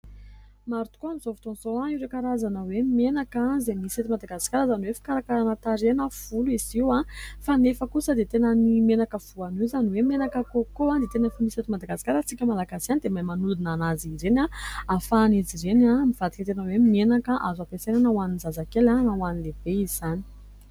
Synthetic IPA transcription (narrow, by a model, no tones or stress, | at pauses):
maɾut̪u̥koanizovu̥t̪onzoaiwɾekaɾazanəwemenakazemiset̪imad̪aɡasi̥kaɾəzanuwefi̥kaɾakaɾanət̪aɾenəv̥uluiziwãfanefəkusəd̪et̪enənimenakəv̥uaniwzaniwemenakəkokoad̪et̪enəfuniset̪imad̪aɡasi̥kaɾət͡sikʲəmalaɡasianid̪emajmanuld̪inanaziɾenaafanizirenamiv̥ad̪i̥kat̪enəwemenakəʔazapesenanawaninzazakelanawanileb̥eizani̥